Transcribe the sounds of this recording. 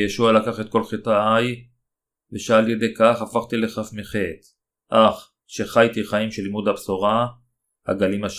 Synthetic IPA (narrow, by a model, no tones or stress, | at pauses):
jeʃualakaχet̪̚ko̞lχetaaj | veʃealjede̞kaχafaχt̪ile̞χafmiχet | ʔaχ | ʃe̞χajt̪iχaimʃelimud̪hapsoʁa | ha̰ɡalimaʃ